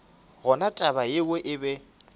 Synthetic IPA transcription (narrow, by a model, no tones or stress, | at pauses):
ɣʊnatʼabajɪwɛʔɪbɛ